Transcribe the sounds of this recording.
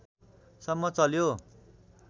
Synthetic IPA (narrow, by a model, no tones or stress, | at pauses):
sʌmːʌt͡sʌljo